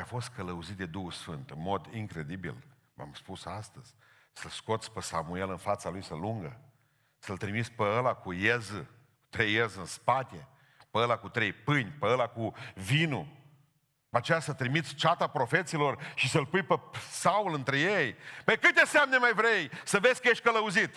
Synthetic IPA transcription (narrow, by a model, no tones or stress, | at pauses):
afo̞st̪̚kələuzit̪̚d̪e̞d̪uhusfɨnt̪ɨnmo̞d̪iŋkɾe̞d̪ibḭl | ma̰mspusast̪əz̥ʲ | səlsko̞t̪sʲpəsa̰mue̞lɨnfat̪salujsəluŋɡə | səlt̪ɾimit̪spəəlakujezɨ | ku̥t̪ɾejezɨnspat̪e | pəəlakut̪ɾejpɨnʲpəəlakuvinu | pəat͡ʃejasət̪ɾimit̪sʲt͡ʃat̪apɾo̞fe̞t̪silo̞rʃisəlpujpesaulɨnt̪ɾejejpəjkɨt̪ʲesamnemajvɾejsəvesʲkəjeʃt̪̚ʲkələuzit̪